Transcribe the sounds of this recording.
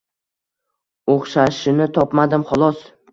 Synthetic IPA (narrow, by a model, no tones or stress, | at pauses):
oχʃaʃɪnɪt̪ʰɒpmad̪ɪmχɒlˠɒs